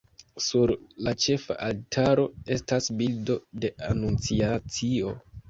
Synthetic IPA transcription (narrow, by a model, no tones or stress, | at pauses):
suɾlat͡ʃe̞fa̰ʔaltʰaɾo̞e̞stasbildo̞de̞ʔanunt͡siat͡sio̞